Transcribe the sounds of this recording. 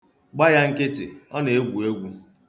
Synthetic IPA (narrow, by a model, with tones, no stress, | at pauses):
ɡ͡ba˦ja˦ŋ̩˦kɪ˦tɪ̰˨ɔ˦ne˨e˦ɡʷu˨e˦ɡʷu˦